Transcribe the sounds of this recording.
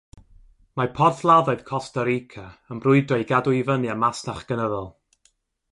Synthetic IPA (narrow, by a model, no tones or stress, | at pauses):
mapʰɔrθlˠaðɔɨð̥kʰɔstəɾikʰaənbrʊɨdɔjɡadʊivənjamastaχɡ̥ənəðɔlˠ